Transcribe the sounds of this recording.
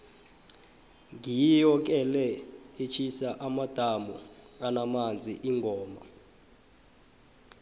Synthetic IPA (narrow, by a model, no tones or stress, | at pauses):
ŋijijɔk̬ɛlɛet͡ʃʰisaʔamad̥ʱamuanamand͡zʱiʔiŋɡʱɔːma